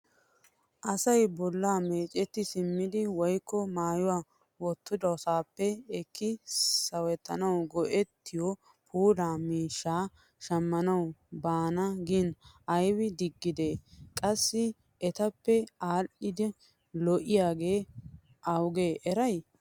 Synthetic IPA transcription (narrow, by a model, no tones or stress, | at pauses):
ʔɐsɐjbɔlːaːme̞ːt͡ʃʼːɛt̪ːɪsɪmːɪd̪ɪwɔjkʰːɔmaːjʊwaː | wɔt̪ːʊd̪ɐɔsaːpːɛɛkːɪsɐwɛt̪ːɐnɐwɡɔʔɛt̪ːɪjɔ | pʰuːd̪aːmiːʃːaː | ʃɐmːɐnɐwbaːnɐɡin | ɐjwɪd̪ɪɡːɪd̪e̞ːkʼɐsːɪ | ɛt̪ɐpːɛaːlʔɪd̪ɛ | lɔʔɪjaːɡe̞ː | ʔɐwɡeːʔɛɾɐj